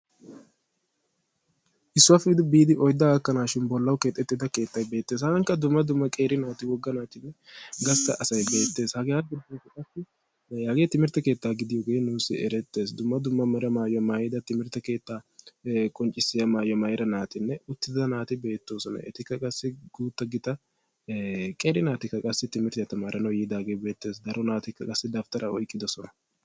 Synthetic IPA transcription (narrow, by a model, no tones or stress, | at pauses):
ʔɪsːʊwafɪd̪ɪbiːd̪ɪʔɔjd̪ːɐɡɐkːɐnaːʃɪnbɔlːɐwʊke̞ːt̪ʼːɛt̪ːɪd̪ɐke̞ːt̪ːɐjbe̞ːt̪ːe̞ːs̬hɐɡɐŋkːɐd̪ʊmːɐd̪ʊmːɐkʼe̞ːɾɪnaːt̪ɪwɔɡːɐnaːt̪ɪnːɛɡɐst̪ːɐʔɐsɐjbe̞ːt̪ːe̞ːshɐɡɛjaɡɪdsɔnsɪkʼɐsːɪ | hɐɡejɐt̪ɪmɪɾt̪ːɐke̞ːt̪ːaːɡɪd̪ɪjoːɡeːnuːsɪ̰ɛɾɛt̪ːe̞ːsd̪ʊmːɐd̪ʊmːɐmɛɾɐmaːjɐmaːjɪd̪ɐt̪ɪmɪɾt̪ːɐke̞ːt̪ːaːkʼɔnt͡ʃʼːɪsːɪjɐmaːjɐmajɪɾɐnaːt̪ɪnːɛʊt̪ːɪd̪ɐnaːt̪ɪbe̞ːt̪ːo̞ːsɔnɐ̰ʔɛt̪ɪkːɐkʼɐsːɪɡ̥uːt̪ːɐɡɪt̪ɐ | kʼɛɾɪnaːt̪ɪkːɐkʼɐsːɪt̪ɪmɪɾt̪ɪjɐt̪ɐmaːɾʔɐnɐwjɪːd̪aːɡebe̞ːt̪ːe̞ːsd̪ɐɾɔnaːt̪ɪkːɐkʼɐsːɪd̪ɐft̪ɐɾʔɐɔjkʼːɪd̪ɔsɔnɐ